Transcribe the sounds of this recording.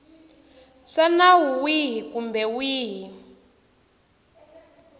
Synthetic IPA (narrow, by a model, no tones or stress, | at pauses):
ʂanawuwiɦikumbɛwiːɦi